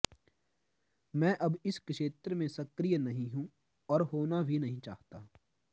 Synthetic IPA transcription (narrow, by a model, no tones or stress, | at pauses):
mɛ̃ːʔɐbɪskʃeːt̪ɾəmẽsɐkɾijənɐɦĩɦũ | ɔːɾɦoːnabʱinɐɦĩt͡ʃa̰ːɦt̪aː